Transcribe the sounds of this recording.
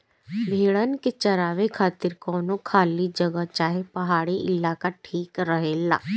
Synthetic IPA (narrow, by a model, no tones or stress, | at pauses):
bʱeːɭənket͡ʃəɾaːʋekʰaːt̪ɪɾkɔːnõkʰaːlid͡ʒəɡat͡ʃaːɦepəɦaːɽiʔɪlaːkaʈʰiːkɾəɦeːla̰ː